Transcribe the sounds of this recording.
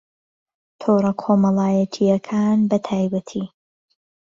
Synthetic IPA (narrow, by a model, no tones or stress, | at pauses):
t̪ʰoːɾɐkʰoːmɐlaːjɐt̪ʰijɐkʰaːnbɐt̪ʰaːjbɐt̪ʰiː